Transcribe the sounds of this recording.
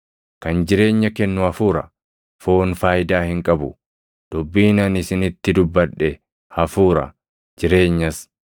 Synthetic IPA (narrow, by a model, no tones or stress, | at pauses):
kɐnd͡ʒɪɾe̞ːɲːɐkɛnːʊhɐfuːɾɐ̰ | foːnfaːjɪd̪aːhɪŋkʼɐbʊ | d̪̥ʊbːiːnɐnɪsɪnɪt̪ːɪd̪ʊbːɐᶑːɛ | hɐfuːɾɐ̰ | d͡ʒɪɾe̞ːɲːɐs